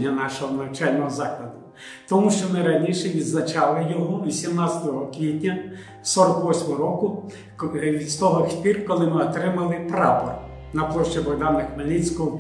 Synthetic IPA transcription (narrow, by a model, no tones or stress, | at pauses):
ɐnɑʃɔɦɔnɐwt͡ʃɑlʲnɔɦɔzɑklˠɐd̪ʊ | t̪ɔmuʃt͡ʃɔnɐɾɐnʲiʃɛʋʲid̪znɐt͡ʃɑlˠɪjɔɦɔʋʲisʲimnɑtsʲɐt̪ɔɦɔkʋʲid̪ʲnʲɐ | sɔɾɔkʋɔsʲmɔɦɔɾɔkʊ | ist̪ɔɦɔxt̪ʲirkɔlˠɪmɪɔt̪ɾɪmɐlˠɪpɾɑpɔr | nɐplˠɔʃt͡ʃibɔɦd̪ɑnɪxmɐlʲit͡sʲkɔɦɔ